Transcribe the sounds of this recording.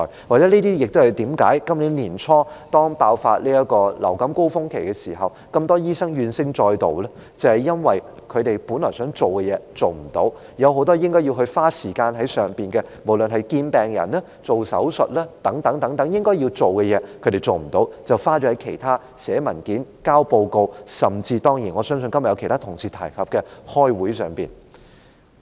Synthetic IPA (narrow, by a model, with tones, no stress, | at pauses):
jwaː˨k̚t͡sɛː˨˥niː˥t̪iː˥jɪ˨k̚t̪o˥hɐ˨˩jt̪iː˨˥mka̰ː˨˥jkɐ˥mliː˨˥nliː˨˩nt͡sʰɔː˥t̪ɔː˥ŋpaː˧wfa̰ː˧t̚liː˥ɐ˥kɔː˧lɐ̰˨˩wkɐ˨˥mko˥wfʊ˥ŋkʰe˨˩jkɛ˧siː˨˩ɦɐ˨w | kɐ˧mt̪ɔː˥jiː˥sɐ˥ŋjyː˧nsɪ˥ŋt͡sɔː˧jt̪o̰˨wlɛ˥ | t͡sɐ˨whɐ˨˩jɐ˥nwɐ˨j | kʰɵ˨˧t̪e˨jpu˨˥nlɔː˨˩sœː˨˥ŋt͡so˨wkɛ˧jɛː˨˧t͡so˨wm̩˨˩t̪o̰˨˥w | jɐ˨˧whɦo˨˥wt̪ɔː˥jɪ˥ŋkɔː˥ji˧wɦɵ˧ɥfaː˥siː˨˩kaː˧nɦɐ˨˥jsœː˨˩ŋpiː˨˩nɡɛ˧mo˨˩wlɵ˨nɦɐ˨jkiː˧npɛː˨ŋjɐ̰˨˩naː˥ | t͡so˨wsɐ̰˨˥wsɵ˨t̚laː˥t̪ɐ˨˥ŋt̪ɐ˨˥ŋt̪ɐ˨˥ŋt̪ɐ˨˥ŋjɪ˥ŋkɔː˥ji˧wt͡so˨wkɛ˧jɛː˨˧kʰɵ˨˧ɥt̪e˨˩jt͡so˨wm̩˨˩t̪o˨˥wkt͡sɐ˨wfaː˥t͡ʃɔː˨˥ɐ˨˥jkʰe˨˩jt̪ʰaː˥ | sɛː˨˥mɐ˨˩nkiː˨˥nkaː˥wpo˧wko˧wsɐ˨mt͡siː˧t̪ɔː˥ŋjiː˨˩nŋɔː˨˧˥sœː˥ŋs̬ɵ˧nkɐ˥mɐ˨jɐ˧wkʰt̪ʰa˥t̪ʰʊ˨˩ŋsiː˨˩t̪ʰɐ̰˨˩jkʰɐ˨p̚kɛ˧hɔː˥jwuː˨˥jsœː˨ŋpiː˨˩n